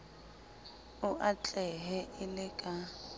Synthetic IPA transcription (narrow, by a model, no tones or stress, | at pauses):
ʊʔat͡ɬʼɛɦɛʔɪlɪkʼa